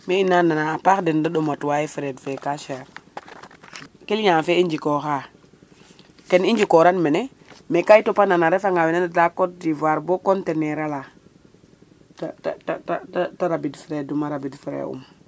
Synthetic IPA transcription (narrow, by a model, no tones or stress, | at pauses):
meinːananaːpaxdindaɗomatwajifiɾedfekaʃe | kilɲafeiɲd͡ʒikoxa | kenid͡ʒikoɾanmene | mekaitopananaɾefaŋawinanadakodivaɾbokonteneɾala | tatatatatataɾabidfiɾedumaɾabidfiɾḛṵm